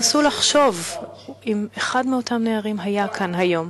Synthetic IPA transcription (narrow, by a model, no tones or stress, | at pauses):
sulaχʃo̞vimeχadmeo̞tʰamneaʁimɦajakʰanɦajo̞m